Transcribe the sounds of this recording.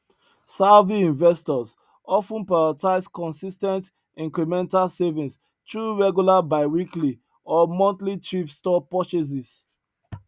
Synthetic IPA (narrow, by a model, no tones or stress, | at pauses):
salviĩɱvɛstɔs | ɔfũnpɹaɹataɪskɔ̃nsistɛ̃nt | ĩŋkɹimɛ̃ntalsevĩns | tɹuɹɛɡjulabaɪwikli | ɔmɔ̃ntlit͡ʃɹipstɔpɔt͡ʃes̬is